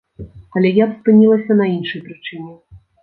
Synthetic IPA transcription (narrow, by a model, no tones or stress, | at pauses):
ɐlʲɛjapspɨnʲilˠɐsʲɐnɐinʂɨjpɾɨt͡ʂɨnʲɛ